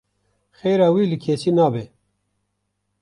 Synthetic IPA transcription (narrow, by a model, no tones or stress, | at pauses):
xeːɾaːwiːlɨkʰeːsiːnaːbeː